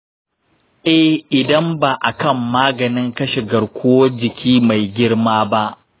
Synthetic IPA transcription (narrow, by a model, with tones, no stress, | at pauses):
ʔɛ˦hʔɪ˨dɐ˦mba˨ʔa˨kɐ˦mːaː˦ɡɐ˨nɪ˦ŋkɐ˦ʃe˨ɡɐ˨ɾkʷʊ˦wɐ˦d͡ʒɪ˨kʲʰiː˦ma˨jɡʲɪ˦ɽmaː˦ba˦ʔ